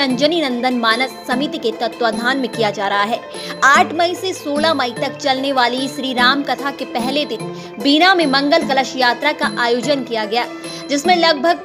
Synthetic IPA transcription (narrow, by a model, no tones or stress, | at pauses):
ɐ̃ɲd͡ʒəninɐ̃nd̪ənmaːnəsːɐmit̪iket̪ɐt̪ʋad̪ʱaːnmẽkijad͡ʒaːɾɐɦaɦɛː | aːʈʰmɐisesoːlamɐit̪ɐkt͡ʃɐlneʋaːliʃɾiːɾaːmkɐt̪ʰakepɛɦlet̪ɪt̪ʰ | biːnamẽmɐ̃ŋɡəlkɐləʃjaːt̪ɾakaʔaːjoːd͡ʒənkijaɡɐjaː | d͡ʒɪsmẽlɐɡ̚bʱəɡ̚